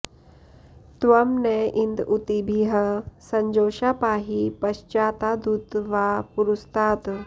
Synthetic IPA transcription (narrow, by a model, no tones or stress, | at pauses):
t̪ʋɐmnɛʔind̪ut̪ibʱiɦəsɐɲd͡ʒoːʃapaːɦipɐʃt͡ʃaːt̪aːd̪ut̪ʋaːpuɾust̪aːt̪